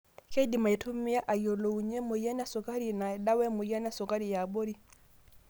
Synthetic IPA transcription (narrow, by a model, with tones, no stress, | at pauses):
ke˦di˨ma˨i˨tʰʊ˦mɪ˦ja˦ʔa˨jo˨lo˨u˨ɲɛ˦mʊ˨jɛ˦na˦sʊ˨ka˦ɾi˨na˨ɛ˨da˦wɛ˦mʊ˨ja˦na˦sʊ˨ka˦ɾi˨ja˨bo˦ɾi˦